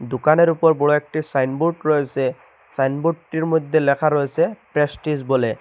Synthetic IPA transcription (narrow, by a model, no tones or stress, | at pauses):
dʊkanɛɹupɔɹbɔɹuɛk̚ʈisajnbuɹʈɹojsɛ | sajnbuʈːiɹmojd̪ʱːɛlɛkʰaɹojsɛpɹɛsʈisbɔlɛ